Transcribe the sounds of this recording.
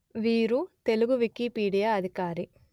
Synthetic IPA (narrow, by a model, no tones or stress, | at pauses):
ʋiːɾut̪eluɡuʋikipiːɽijaːɐd̪ʱikaːɾi